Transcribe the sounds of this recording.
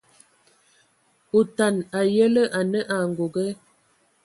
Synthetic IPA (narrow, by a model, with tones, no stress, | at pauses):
o˨ta˨na˨jə˦lə˦ʔa˨nə˦ʔa˨ŋ˨ɡo˨ɡə˦